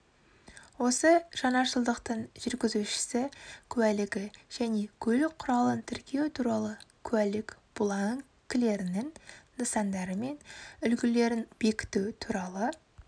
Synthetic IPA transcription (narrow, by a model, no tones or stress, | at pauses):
wo̞səʒ̥ɑnɑʃəlˠd̪əqt̪əɴʒ̥ʏɾɡʲɪzuʃɪ̥sɪkʲʰʉælɪɡʲɪʒ̥æne̞kʲʰɵlɪqʰʊɾɑlˠənt̪ʰɪɾkʲʰe̞wɪt̪ʰuɾɑlˠəkʲʰʉwælɪkb̥ʊlˠɑŋ | kʲːɪle̞ɾɪnɪŋːəsɑnd̪ɑɾəme̞nʏlɡʲɪle̞ɾɪnb̥e̞kʲɪ̥t̪ut̪ʰuɾɑlˠə